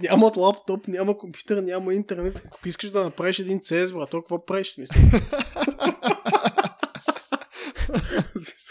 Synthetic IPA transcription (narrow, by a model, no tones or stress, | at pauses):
nʲamɐt̪lˠapt̪ɔpnʲamɐkompju̥t̪əɾnʲamɐint̪ɛɾnɛt̪ɐko̥kʊiskəʃd̪ɐnɐpɾaviʃɛd̪int̪sɛzbɾat̪ɔlˠkʊvapɾɛʃsmisɛ | is